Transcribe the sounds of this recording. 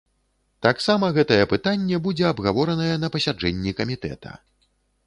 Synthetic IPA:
t̪aksamɐɣɛt̪ɐjɛpɨt̪anʲːɛbud͡zʲɛabɣavɔɾɐnɐjɛn̪ɐpɐsʲad͡ʐɛnʲːikɐmʲit̪ɛ̰t̪ɐ̰

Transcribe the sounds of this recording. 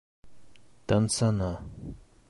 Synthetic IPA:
t̪ansana

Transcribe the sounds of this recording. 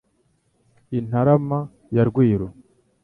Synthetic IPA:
in̥aɾama | jaɾɡwiːɾo

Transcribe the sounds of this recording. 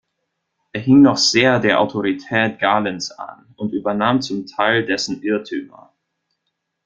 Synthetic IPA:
ʔeːɐɦɪŋnɔχz̥eːɐdeːɐʔa̰ʊtʰoʁitʰɛːt̚ɡ̥aːlənsa̰n | ʔʊntʔyːbɐnaːmt͡sʊmtʰaɪldɛsn̩ʔɪɐtʰyːmɐ̰

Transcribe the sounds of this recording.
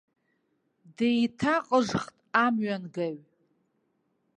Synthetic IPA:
dejtʰaqʼəʐχtʼamɥanɡaɥ

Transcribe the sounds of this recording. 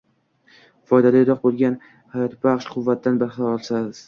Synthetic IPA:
fɒjd̪ad̪aɪɾɒq̚bolˠɡʲan | hajɒt̪ʰbaχʃqʰʊvːat̪̚d̪anbaɾχɑɒɾɒlˠsaz

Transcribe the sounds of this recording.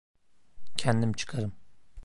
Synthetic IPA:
cʰɛnd̪imt͡ʃʰɯ̥kʰaɾɯm

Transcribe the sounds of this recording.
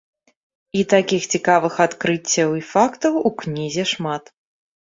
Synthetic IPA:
it̪akʲixt͡sʲikavɨxat̪kɾɨt͡sʲːɐwifakt̪ɐwuknʲizʲɛʂmat̪

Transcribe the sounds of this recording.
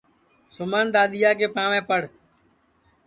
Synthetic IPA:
sʊmaːnd̪aːɗ̪ɪjaːk̬eːpãːʋẽːpəɽ

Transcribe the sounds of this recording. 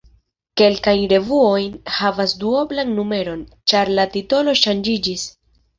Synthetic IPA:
ke̞lkajnɾe̞vuo̞jnhavasduo̞blanːume̞ɾo̞nt͡ʃaɾlatito̞lo̞ʃand͡ʒid͡ʒis

